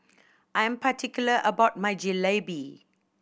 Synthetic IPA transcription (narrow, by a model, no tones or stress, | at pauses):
ʔãjɛ̃mpatʰikjuləʔəbaʊt̚majd͡ʒilebi